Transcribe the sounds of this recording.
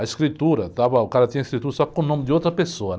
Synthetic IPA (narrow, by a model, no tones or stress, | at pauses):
ɐiskɾit̪uɾɐt̪abɐʊkaɾɐt̪ĩɲɐiskɾit̪uɾɐsɔkkõnõmɪd̪ɪot̪ɾɐpesoɐn